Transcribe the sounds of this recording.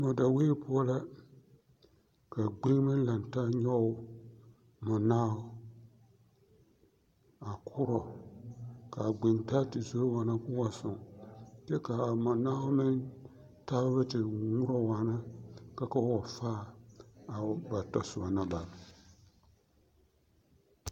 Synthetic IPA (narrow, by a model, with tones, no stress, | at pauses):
mɔ˨da˨we˦pʊ˦ɔ˦la˦ | ka˨ɡ͡be˦ŋ˦mɨ˦la˨n˨ta˦ɲɔ˦ʊ˦ | mɔ˨naː˦ʊ˦ | a˨kʰʊ˦ɾɔ˨ | ka˨ɡ͡be˨nta˦tɪ˨zo˦wa˨na˦kʊ˦wa˨sʊ˨ŋt͡ʃɛ˦ka˨mɔ˨naː˦ʊ˦mɪ˦n | ta˦ββɛ˦tɪ˨ŋʊ˦ɾɔ˦wa˨na˦ka˦ka˦wɔ˨faː˦a˨ba˨tɔ˨sʊ˨ba˨na˦ba˨